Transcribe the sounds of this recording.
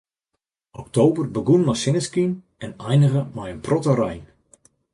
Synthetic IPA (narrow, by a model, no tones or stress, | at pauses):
ɔk̚tʰowbərbəɡunmajsɪnəskin | ɛnɛjnəɣəmajənprɔtərɛjn